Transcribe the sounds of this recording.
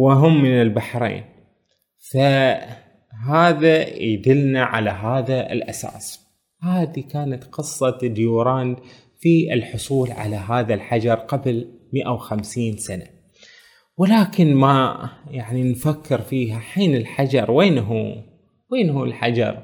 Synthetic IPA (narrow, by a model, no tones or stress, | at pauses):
wɪɦʊmːɪnɪlbaħɾḛːn | fa | ɦaːðajd̪ɪlnaʕa̰laɦaːðaɪ̰lʔasa̰ːs | haːðikaːnat̪qɨsˤːɑt̪d̪juːɾˤɑːn | fiɪlħʊsˤuːlʕa̰laɦaːðalħad͡ʒɑɾˤqabl | mɪʔawxamsiːnsana | wɪlaːkɪnmajaʕninfakːɪɾfiːɦaħiːnɪlħad͡ʒɑɾˤweːnɦuː | weːnhuːlħad͡ʒɑ̰ɾˤ